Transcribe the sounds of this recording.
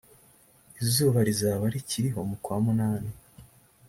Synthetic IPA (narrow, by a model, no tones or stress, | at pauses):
izuːβaɾizaːβaɾiciɾiɦo̞mukwaːmunaːni